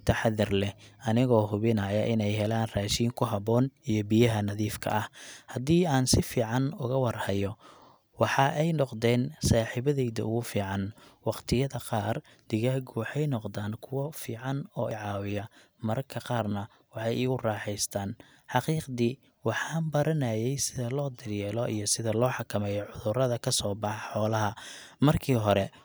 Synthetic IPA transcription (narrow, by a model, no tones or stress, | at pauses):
t̪ʰɐħɑðɪrlɛɐnɪɣɔːɦʊβɪnɐjɐʔɪnɛjɦɛlaːnraːʃiːŋkʰʊɦɑβɔːnijɔbɪjɐɦɐnɐðiːfkʰɐ̰ʔɐhhɐd̪iːaːnsɪfiːʕɑnʊɣɐwɑrhɐjɔ | wɑħɑʔɛjnɔqd̪ɛːnsaːħiβɐðɛjðɐ̰ʊɣʊfiːʕɑnwɑqt̪ʰɪjɐðɐqɑːr | d̪̥ɪɣaːɡʊwɑħɛjnɔqd̪aːnkʰʊwɐfiːʕɑnɔ̰ːɪʕɑːwɪjɐ | mɐɾɐkʰɐqɑːrnɐ | wɑħɑjɪɣʊrɑːħɛjst̪ʰaːn | ħɑqiːqd̪i | wɑħɑːmbɐɾɐnɐjɛjsɪðɐlɔːd̪ɪrjɛːlɔʔḭjɞsɪðɐlɔːħɑkʰɐmɛːjɔʕʊðʊrɐðɐkʰɐsɔːbɑħħɔːlɐɦɐ | mɐrkʰiːɦɔɾɛ